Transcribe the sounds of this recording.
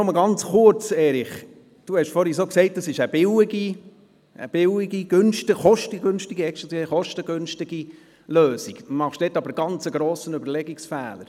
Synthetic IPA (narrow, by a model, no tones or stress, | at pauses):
nɔməɡɑnt͡sχʊɾt͡sɛːɾiχ | d̥uhɛʃfɔɾhisoːksɛɪt̚d̥əsɪʃəb̥ɪwiɡi | ʔə̰b̥ɪwɪɡiɡ̥ʏnʃtəχɔʃtəɡønʃtiɡiɛkʃiχɔʃtəɡʏnʃtɪɡ̥i | løːsiɡ̥mɑχʃd̥ɛːtːɑbəɾɡ̥ɑnt͡səɡɾoːsənʉbəɾlɛɡiksfɛːləɾ